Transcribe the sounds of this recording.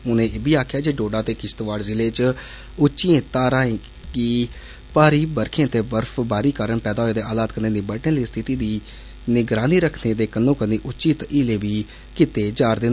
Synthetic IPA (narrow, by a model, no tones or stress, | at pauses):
ʊnẽːʔeːbiːaːkʰjaːd͡ʒeːɖoːɖaːt̪eːkɪst̪ʋaːɽzɪleːt͡ʃ | ʊt͡ʃːt͡ʃiːẽːt̪aːɾãːẽː | kiː | paːɾiːbəɾkʰẽːt̪eːbəɾfʰbaːɾiːkaːɾəɳpɛːd̪aːoːeːd̪eːaːlaːt̪kənẽːniːbəʈẽːliːst̪ʰɪt̪iːd̪iː | nɪɡɾaːniːɾəkʰneːd̪eːkənːõːkənːeːʔʊt͡ʃːt͡ʃiːt̪ʔɪːleːbiː | kɪt̪eːd͡ʒaːɾd̪ɪn